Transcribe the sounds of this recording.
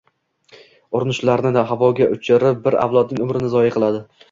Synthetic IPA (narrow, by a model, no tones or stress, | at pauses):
ʊɾɪnɪʃlaɾnɪd̪aɦavɒɡʲaʔʊt͡ʃʰɪɾɪp̚bɪɾa̰vlˠɒd̪nɪŋʊmɾɪnɪzɒjaqʰɨlˠad̪ɪ